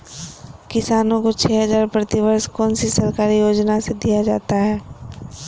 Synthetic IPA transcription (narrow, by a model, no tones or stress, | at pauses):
kɪsaːnõkot͡ʃʰɛːɦəzaːɾpɾɐt̪ɪʋəɾskɔːnsisɐɾkaːɾijoːd͡ʒnased̪ijad͡ʒa̰ːt̪aɦɛː